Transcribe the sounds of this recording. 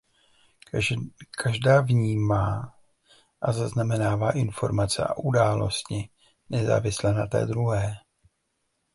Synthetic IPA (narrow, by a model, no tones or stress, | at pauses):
kʰaʒdaːvɲiːmaː | ʔazaznamɛnaːvaːʔɪnfo̞ɾmat͡sɛʔa̰ʔudaːlo̞̰stɲɪ | nɛza̰ːvɪslɛnat̪ɛ̰ːd̪ɾuɦɛː